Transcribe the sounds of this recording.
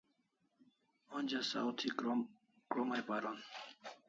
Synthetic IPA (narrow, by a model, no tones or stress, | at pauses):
onʲd͡ʑasa̰wt̪ʰi | kɾomajpaɾon